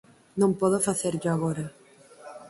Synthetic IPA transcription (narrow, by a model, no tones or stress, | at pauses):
nõmpoðofaθeɾd͡ʒaaɣoɾa